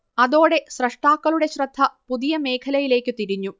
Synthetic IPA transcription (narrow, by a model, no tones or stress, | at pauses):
ɐðo̞ːɽe̞ɕrɐʂʈaːkːɐɭuɽe̞ɕrɐd̪ʱːɐpuðijɐme̞ːkʰɐlɐjile̞ːkːɨt̪iɾiɲːu